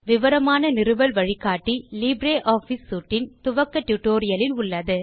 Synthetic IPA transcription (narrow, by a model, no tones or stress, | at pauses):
ʋɪʋɐɾɐmaːnɐnɪɾɯʋɐlʋɐɻɪkːaːʈːiliːbɾeːʔaːfisːuːʈːɪnt̪ʊʋɐkːɐʈjʊʈːoːɾɪjɐlɪnʊɭːɐðɯ